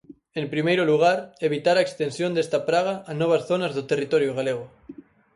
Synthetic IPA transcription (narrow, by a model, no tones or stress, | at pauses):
empɾimejɾoluɣ̞aɾeβ̞it̪aɾaekst̪ensjond̪est̪apɾaɣ̞aʔanɔβ̞asθonazðot̪erit̪oɾjoɣaleɣ̞o